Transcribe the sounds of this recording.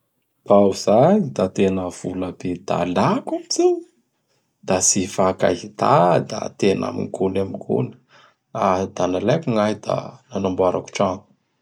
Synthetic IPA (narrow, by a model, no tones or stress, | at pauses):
b̥awz̥aɲid̪at̪enəv̥uləbed̪̥a̰lakamit͡siɲə | d̪̥asifaka̰ɦit̪ad̪a̰t̪ena̰mḭŋɡunamiɡ̥ṵnə̥ | ad̪̥analakuŋajd̪a̰nanambuaɾa̰ku̥ʈ͡ʂanu̥